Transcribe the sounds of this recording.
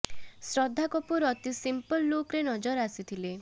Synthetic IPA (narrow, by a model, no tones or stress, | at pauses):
sɾɔd̪ʱːakɔpuɾɔt̪isimpɔlːokɾenɔd͡ʒɔɾasit̪ʰile